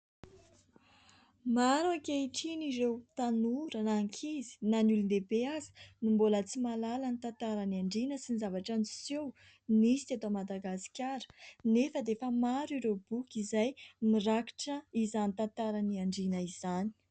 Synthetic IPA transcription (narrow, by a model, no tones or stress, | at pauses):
maɾuakeiʈ͡ʂiniɾewt̪anuɾənaŋkʰizi̥nanulund̪ebeazi̥nimbolət͡simalalanit̪ant̪aɾaniaɳɖ͡ʐinəsinizavaʈ͡ʂansew | nisi̥t̪et̪amad̪aɡasi̥kʲaɾə̥nefəd̪efəmaɾiɾeb̥ukʲizajmiraki̥ʈ͡ʂəizanit̪ant̪aɾaniaɳɖ͡ʐinəiz̥ani̥